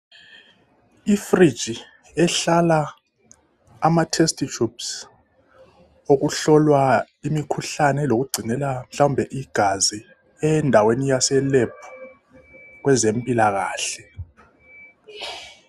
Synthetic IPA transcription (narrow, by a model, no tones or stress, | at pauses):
ifrid̥ʒ̥ʱi | ɛɬala | matʰɛstʰʼit͡ʃʰups | ok̬uɬɔlwa | imikʰuɬanɛlok̬uɡ͡ǀʱinɛlam̩ɬaumbʱɛʔiɡ̥ʱazi | ɛndʱawenijasɛleb̚ʰʱu̥ | k̬wɛzempʼilaɣ̬aːɬɛ